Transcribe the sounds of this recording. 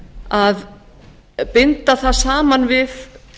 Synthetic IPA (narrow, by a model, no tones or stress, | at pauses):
að | pɪnt̪aθaðsaːmanvɪð